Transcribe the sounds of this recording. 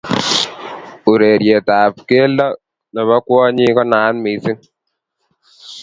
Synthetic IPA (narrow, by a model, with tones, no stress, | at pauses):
u˨ɾe˨ɾje˨taː˨pke˦lɔ˦ | nɛ˨βa˦kwɔ˦ɲi˦kɔ˦naː˨˦nmi˨˦sɪ˦n